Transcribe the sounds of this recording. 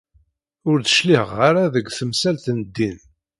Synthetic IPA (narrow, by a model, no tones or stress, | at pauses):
ʊɾd̪ə̥ʃliʁːaɾaðəɡʷθəmsælt̪nəd̪ːin